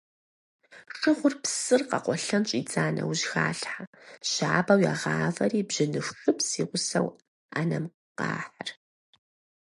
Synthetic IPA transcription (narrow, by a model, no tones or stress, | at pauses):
ʂɨʁʷʊrpsɨrqɐ̰qʷɔɬɐmt͡ʃʼiːt͡sʼaːnɐ̰wʑxaːɬħaɕaːbɐwjaːʁɑːvɐriːbʑɪnɨxxɨpsiːʁʷʊsɐw | aːnɐm | qɑ̰ːħar